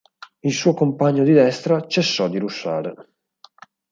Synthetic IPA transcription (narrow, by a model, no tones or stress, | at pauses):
ilsuːokompaɲːod̪id̪ɛst̪ɾat͡ʃesːɔd̪ːiɾuʃːaːɾe